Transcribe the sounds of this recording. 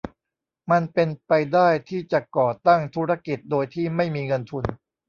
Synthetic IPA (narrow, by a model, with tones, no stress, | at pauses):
ma˧npe˧npa˧jdaː˥˩jt̪ʰiː˥˩t͡ɕa˨˩kɔː˨˩t̪a˥˩ŋt̪ʰuː˦˥ɾa˧˥ki˨˩t̪̚doː˧jt̪ʰiː˥˩ma˥˩jmiː˧ŋɤ˧nt̪ʰu˧n